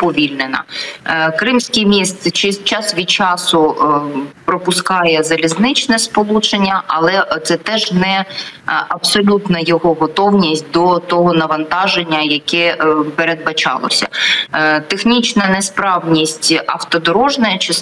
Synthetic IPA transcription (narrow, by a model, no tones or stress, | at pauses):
pɔʋʲilʲnenɐ̰kɾɪmsʲkɪjmʲist̪sɪt͡ʃɪzt͡ʃɑsʋʲid̪̚t͡ʃɑsʊ | pɾɔpʊskɑjɛzɐlʲiznɪt͡ʃnɛspɔlˠut͡ʃenʲːɐʔɐlˠɛt̪sɛt̪ɛʒnɛ | ɐbsɔlʲut̪nɐjɔɦɔɦɔt̪ɔwnʲisʲt̚ʲd̪ɔt̪ɔɦɔnɐʋɐnt̪ɑʒenʲːɐjɐkɛpeɾe̞d̪̚bɐt͡ʃɑ̰lˠɔ̰sʲɐ̰ | t̪exnʲit͡ʃnɐnɛspɾɑwnʲisʲtʲɐft̪ɔd̪ɔɾɔʒnɐjɛt͡ʃɪ